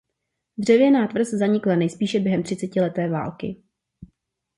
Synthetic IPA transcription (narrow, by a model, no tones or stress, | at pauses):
d̪r̝ɛvjɛnaːt̪vr̩szaɲɪklanɛjspiːʃɛbjɛɦɛmt̪r̥ɪt͡sɛcɪlɛt̪ɛːva̰ːlkɪ̰